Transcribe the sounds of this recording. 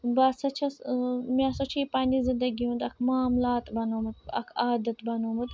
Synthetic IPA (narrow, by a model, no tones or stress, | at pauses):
bɐsɐt͡ʃʰɐsmãsɐt͡ʃʰiːpaːnizɪnd̪ɐɡiɦũnd̪ɐkʰmaːmlaːt̪bɐnoːmɐd̪̚ɐ̰kʰaːd̪ɐt̪bɐnoːmɐt̪